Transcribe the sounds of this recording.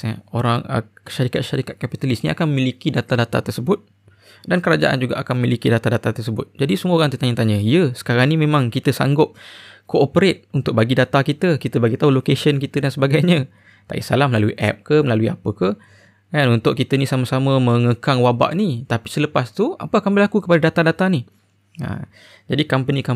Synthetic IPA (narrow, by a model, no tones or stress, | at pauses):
əoɾaŋə̰kə̥ʃaɾikat̪̚ʃaɾikat̪̚kapit̪alisnia̰kanməmilikidat̪adat̪a̰t̪ərsəbʊt̪̚ | dankəɾad͡ʒa̰ʔa̰nd͡ʒuɡa̰ʔakanməmilikidat̪adat̪at̪ərsəbʊt̪̚d͡ʒadisəmuoɾaŋt̪ət̪aɲət̪aɲəijəsə̥kaɾaŋnimẽmãŋkit̪əsa̰ŋɡʊp̚koopəɾet̪̚unt̪ʊk̚baɡidat̪akit̪əkit̪əbaɡit̪aulokesənkit̪ədansəbaɡajɲə | t̪a̰ʔḭsalahməlaluiʔɛ̰p̚kəməlaluia̰pəkə | kanunt̪ʊʔ̚kit̪ənisaməsaməmə̃ŋəkaŋwaba̰ʔnit̪api̥sələpast̪ua̰pəakanbəlakukəpadadat̪adat̪ani | ə̰ | d͡ʒadikampənĩka